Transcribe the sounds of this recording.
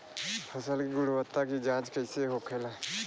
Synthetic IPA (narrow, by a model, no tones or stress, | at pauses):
pʰɐsəlkiɡʊɽuwət̪ːakid͡ʒãːt͡ʃkəɪseɦokʰeːla